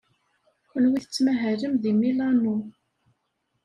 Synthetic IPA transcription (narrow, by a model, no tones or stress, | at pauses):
xənwiθət͡sːmæɦæɾəmðimilɑnu